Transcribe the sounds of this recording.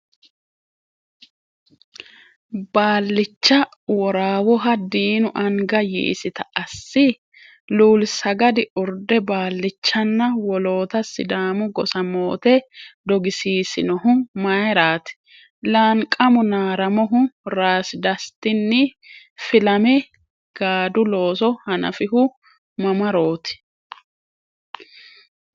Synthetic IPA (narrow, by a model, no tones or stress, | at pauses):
baːlːɪt͡ʃːɐ | wɔɾaːwɔɦɐd̪iːnʊʔɐŋɡɐjḭʔsɪt̪ɐʔɐsːɪ | luːlsɐɡɐd̪ɪʊɾd̪ɛbaːlːɪt͡ʃːɐnːɐwɔlo̞ːt̪ɐsɪ̰d̪aːmʊɡɔsɐmoːt̪ɛd̪ɔɡɪsiːsɪnɔɦʊmɐjɾaːt̪ɪ̥ | lɐːŋkʼːɐmʊnaːɾɐmɔɦʊɾaːsɪd̪ɐst̪ɪnːɪ | fɪlɐmɛ | ɡ̥aːd̪ʊlo̞ːsɔhɐnɐ̰fɪɦʊ | mɐmɐɾo̞ːt̪ɪ̥